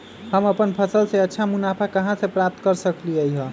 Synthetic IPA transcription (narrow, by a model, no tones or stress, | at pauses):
həməpənpʰəsəlseətːʃʰamunapʰakəɦãsẽpɾap̚t̪kəɾsəkliəjɦə